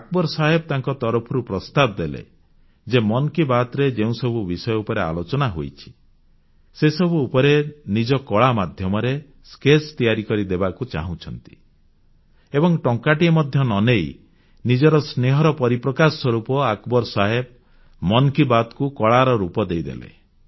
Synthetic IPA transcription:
ak̚bɔɾsaɦebɔt̪aŋkɔt̪ɔɾɔpʰɔɾupɾɔst̪abd̪elḛ | d͡ʒemɔnkibat̪ɾed͡ʒeũsɔbʱubisɔjɔupɔɾea̰lot͡ʃɔnaɦo̰jt͡ʃʰi̥ | sesɔbʱuːpɔɾenid͡ʒɔkɔɭamad̪ʱjɔmɔɾe | skest̪ijaɾikɔɾid̪ebakut͡ʃa̰ɦũt͡ʃʰɔnt̪i̥ | ebɔŋʈɔŋkaʈiemɔd̪ʱjɔnɔnej | nid͡ʒɔɾɔsneɦɔɾɔpɔɾipɾɔkaswɔɾupɔakbɔɾsaɦeb̚ | mɔnkibat̪kukɔɭaɾɔɾupɔd̪ejd̪ḛlḛ

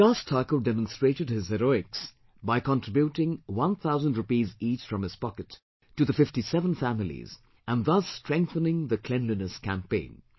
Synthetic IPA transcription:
ɡ̥ʌstʰɑkoʊdɛmə̃nstɹ̥eɪɾɨd̚hɪzhɛɾoɪks | baɪkə̃ntʰɹ̥ɪbjutɪ̃ŋwʌ̃nθaʊzə̃ndɹɨpizit͡ʃfɹʌ̃mɨz̥pɑkɨtʰː | ɨðəfɪftisɛvə̃nfæmɪlḭz | ə̃nðʌstɹ̥ɛ̃ŋk̚θənɪ̃ŋðɨkʰl̥ɛ̃nlinɨskʰæ̃mpẽɪ̃n

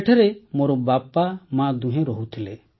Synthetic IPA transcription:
ʈʰɛɾɛmɔɾɔbapamãd̪ũɦɛ̃ɾɔɦut̪ʰilɛ

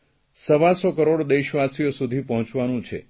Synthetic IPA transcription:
səʋasɔkəɾoɽd̪eʃʋasijosud̪ʱipəɦɔ̃t͡ʃʋanũt͡ʃʰḛ

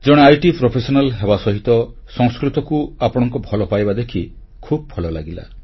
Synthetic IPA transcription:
d͡ʒɔɽ̃eajʈipɾopʰesɔnalɦebasɔɦit̪ɔ | sɔŋskɾit̪ɔkuapɔɽ̃ɔŋkubʱɔlɔpajbad̪ekʰi | kʰub̚bʱɔlɔlaɡila̰

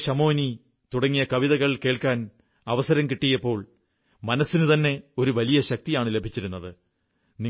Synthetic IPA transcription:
ɕɐmo̞ːni | t̪uɽɐŋːijɐkɐʋiðɐɣɐɭke̞ːɭkaːn | ɐʋɐsɐɾɐmkiʈːijɐpːo̞ːɭ | mɐnɐsːinut̪ɐnːe̞o̞ɾuʋɐlijɐɕɐk̚t̪ijaːɳɨle̞bʱit͡ɕːiɾunːɐðɨ | ni

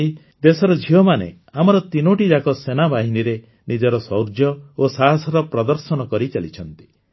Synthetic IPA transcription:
i | d̪esɔɾɔd͡ʒʱiɔmanḛ | amɔɾɔt̪inoʈid͡ʒakɔsenabʱaɦiniɾe | nid͡ʒɔɾɔsɔwɾd͡ʒjɔosaɦasɔɾɔpɾɔd̪ɔɾsɔnɔkɔɾit͡ʃalit͡ʃʰɔnt̪i̥

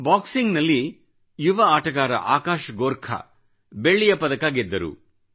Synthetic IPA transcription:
baːksiŋɡnɐlːi | juʋɐaːʈɐɡaːɾɐ̰ʔa̰ːkaːʃɐɡoːɾkʰɐ̰ | beɭːijɐpɐd̪ɐkaːɡid̪ːɐɾṵ

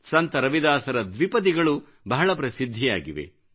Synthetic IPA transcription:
sɐnt̪ɐɾɐʋid̪aːsɐɾɐd̪ʋipɐd̪iɡɐɭu | bɐɦɐɭɐp̬ɾɐsid̪ʱːija̰ːɡiʋḛ

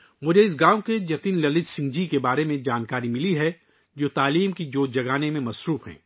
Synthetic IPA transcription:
mʊd͡ʒʱeɪs̬ɡãːwked͡ʒɐt̪iːnlɐlɪt̪sɪ̃ŋɡd͡ʒikebaːɾemẽd͡ʒaːnkaːɾimɪliɦɛ | d͡ʒoːt̪aːliːmkid͡ʒoːd͡ʒɐɡaːnemẽmɐsɾuːfɦɛ̰ː

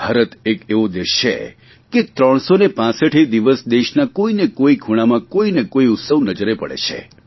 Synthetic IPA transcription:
bʱaɾət̪ekeʋod̪eʃḛ | ket̪ɾəɳ̃sonepãsəʈʰed̪iʋəsd̪eʃnakoinekoiɡʱuɽ̃amãkoinekoiʊt̪səʋnəd͡ʒəɾepəɽḛt͡ʃʰḛ

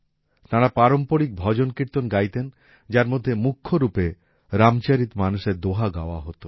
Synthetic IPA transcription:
t̪ãɾapaɾompoɽik̚bʱɔd͡ʑonkɾiɾt̪onɡajt̪en | d͡ʑaɾmod̪ʱːemukʰːoɾupe | ɾamt͡ɕaɾit̪manuʃeɾd̪oɦaɡa̰oa̰ɦot̪o

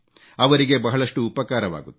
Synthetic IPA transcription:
ɐʋɐɾiɡe̞bɐɦɐɭɐʂʈuːpɐkaːɾɐʋa̰ːɡut̪ː

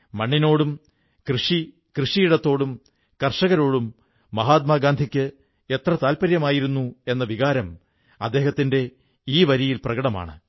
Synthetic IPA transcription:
mɐɳːino̞ːɽum | krɨʂi | krɨʂijiɽɐt̪ːo̞ːɽum | kɐrʂɐɣɐɾo̞ːɽumː | ɐɦaːt̪̚maːɡaːnd̪ʱikʲːɨ | e̞t̪rɐt̪aːlpɐɾjɐmaːjiɾunːue̞nːɐʋiɣaːɾɐm | ɐd̪ːe̞ːhɐt̪ːinde̞ | iːʋɐɾijilprɐɣɐɽɐma̰ːɳɨ

